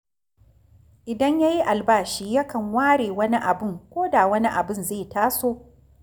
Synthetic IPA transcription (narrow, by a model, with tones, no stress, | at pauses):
ʔɪ˨dɐ˦ɲja˦ji˦ʔa˨lbaː˦˨ʃiː˦jɐ˦kɐ˨ŋwaː˦ɽeː˨wɐ˦ni˦ʔa˨bʊ˦˨ŋkʷoː˦daː˨wɐ˦ni˦ʔa˨bɪ˦˨nzeː˦˨taː˦soː˦